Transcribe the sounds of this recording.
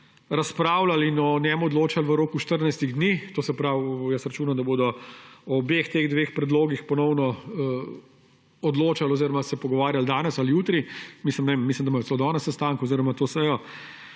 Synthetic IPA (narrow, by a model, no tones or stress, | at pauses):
ɾaspɾaːwlalinɔnjɛmɔd̪loːt͡ʃalʋəɾoːkuʃt̪əɾnajst̪iɣd̪nit̪oːsɛpɾawjəsɾɐt͡ʃuːnamd̪ɐboːd̪ɔɔbext̪eɣd̪ʋexpɾɛd̪loːɡixpɔnɔwnɔ | ɔd̪loːt͡ʃalɔziːɾɔmasɛpɔɡɔʋaːɾjald̪aːnɛsalijuːt̪ɾimisləmnɛʋemːislimd̪amajɔt͡s̪elod̪ɔnɛsɛst̪aŋkoziɾɔmat̪oːsɛjɔ